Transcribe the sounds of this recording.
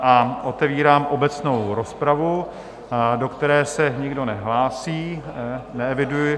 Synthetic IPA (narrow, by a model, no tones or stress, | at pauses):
ʔaʔo̞t̪ɛviːɾaːmʔobɛt͡sno̞wɾo̞spɾavu | do̞kt̪ɛɾɛːsɛɲɪɡdo̞nɛɦlaːsiːnɛɛvɪdujɪ